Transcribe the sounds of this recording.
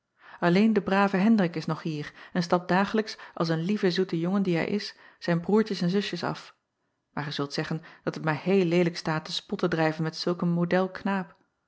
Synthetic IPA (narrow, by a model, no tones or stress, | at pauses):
ɑlejndəbraːvəɦɛndrɪkɪsnɔχɦiːɹɛnstɑp̚daːχələksʔɑ̰lˠs̬ənlivəzutəjʊŋəndiɦɛ̰jʔɪ̰s | z̥ɛjnbruːɹcəsɛnzɵsjəsɑ̰f | maːɹχəz̥ɵlˠtsɛχənd̥ɑtətmaːɹɦejlːejləkstaːtəspɔtədrɛjvənmɛtsɵlˠkənmodɛlˠknaːp